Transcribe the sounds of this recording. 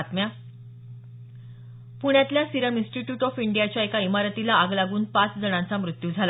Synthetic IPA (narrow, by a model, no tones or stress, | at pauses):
t̪mja | puɳ̃jat̪ljasiɾəmĩnsʈiʈjuːʈɔfiɳɖijat͡ɕjaekaimaɾət̪ilaaɡlaɡuːnpat͡sd͡zəɽãnt͡samɾut̪jud͡zʱala